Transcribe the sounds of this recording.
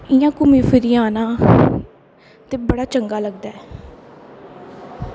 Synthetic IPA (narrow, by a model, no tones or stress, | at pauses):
ɪjãːkʊmĩːfʰɪɾiːãːnãː | t̪eːbəɽaːt͡ʃəŋɡaːləɡd̪aːɛː